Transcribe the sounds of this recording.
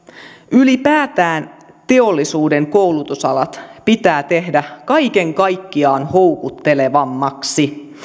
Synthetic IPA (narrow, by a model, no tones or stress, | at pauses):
ylipæːt̪æːn | t̪e̞olːisuːde̞ŋko̞wlut̪usɑlɑt̪pit̪æːt̪e̞hdækɑjke̞ŋkɑjkːiɑːnhowkut̪ːe̞le̞ʋɑmːɑksi